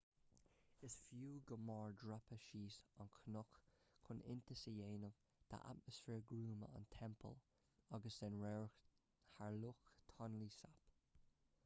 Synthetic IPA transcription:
ɪsfjuːɡəmɑːɹdɹapəʃiːsankʰənʊkkʰʊnɪ̰nt̪əsəjeːnəv | t̪ʰa̰ʔa̰t̚məsfɛːɹɡɾuːmə̰a̰nt̪ʰɛmpʰə̰l | ɑɡəsɛnɹɛɹ | haɹlʊxt̪ʰɑnliːsap

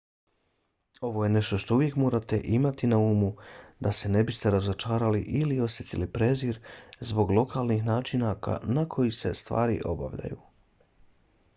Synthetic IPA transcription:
o̞ʋo̞je̞ne̞ʃt̪o̞ʃt̪o̞uʋje̞kmo̞ːɾat̪e̞̰ʔimat̪inauːmud̪ase̞ne̞bist̪e̞ɾazot͡ʃaːɾaliʔilio̞sjet̪ilipɾe̞ziɾzbo̞ɡlˠo̞kʰalnixnaːt͡ʃinaka̰nakʰo̞jise̞̰st̪ʋa̰ːɾḭʔo̞ba̰ʋʎa̰jṵː

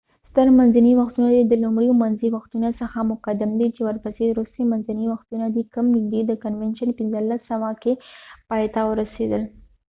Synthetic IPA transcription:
st̪əɾmanzaniwaxt̪unad̪id̪əlʊmɽiomanziwaxt̪unosəxamʊkad̪ɪmd̪it͡ʃewəɾpəseɾust̪emanzaniwaxt̪unad̪ikamnid̪ed̪əkanwɛnʃənpinzəlasːawakepɑjt̪awəɾased̪əl

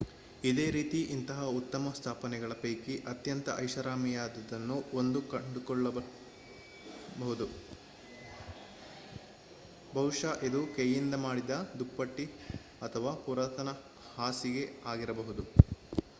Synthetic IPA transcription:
id̪e̞ːɾiːt̪iʔint̪ɐɦɐut̪ːɐmɐst̪ʰaːpɐnɛɡɐɭɐpɐjkiʔɐt̪jɐnt̪ɐʔɐjʃɐɾaːmijaːd̪ɐd̪ɐnːuond̪ukɐɳɖukɔɭːɐ | bɐɦud̪u | bʱɐʋuʂaʔid̪ukejind̪ɐmaːɽid̪ɐd̪upːɐʈːi | ɐt̪ʰɐʋaːpuɾaːt̪ʰɐnɐ | haːsiɡe̞aːɡiɾɐbɐɦud̪u

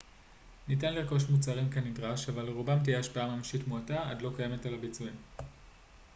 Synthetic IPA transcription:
nitanliʁko̞ʃmut͡saʁimkanidʁaʃavaleʁubamt̬ijeaʃpaamamʃitmuataa̰dlo̞kaje̞me̞talabit͡suim

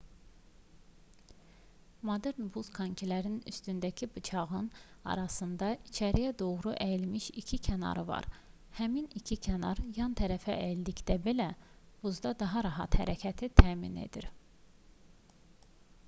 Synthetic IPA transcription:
mod̪eɾnbuz̥kʰɑɲcʰilæɾiny̰st̪ynd̪æcʰibɯt͡ʃʰɑɣɯnɑ̰ɾɑsɯnd̪ɑit͡ʃʰæɾijæd̪o̞ɣɾuʔæjilmiʃicʰicʰænɑ̰ɾɯvɑ̰ɾ | hæminicʰicʰænɑ̰ɾjɑnt̪ʰæɾæfæeld̪icd̪æbelæ | b̥uzd̪ɑd̪ɑɦɑɾɑɦɑt̪hæɾæcʰæt̪ʰit̪ʰæːmḭne̞̰d̪iɾ

